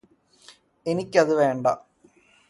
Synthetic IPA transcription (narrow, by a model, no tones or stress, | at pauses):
e̞nikʲːɐðɨʋe̞ːɳɖɐ̰